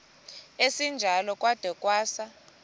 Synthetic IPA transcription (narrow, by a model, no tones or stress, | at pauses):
esind͡ʒʱalɔkʼwad̥ʱɔkʼwaːsa